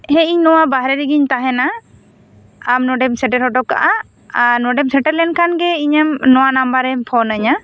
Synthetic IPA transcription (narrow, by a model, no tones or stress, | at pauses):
hɛ̃iɲnɔwabaɦɾɛɾiɡiɲt̪aɦɛna | mnɔɖɛmsɛʈɛɾhɦɔʈɔkːa̰ʔa | anɔɖɛmsɛʈəɾlɛnkʰanɡɛiɲamnɔwanambaɾɛpʰɔnəɲa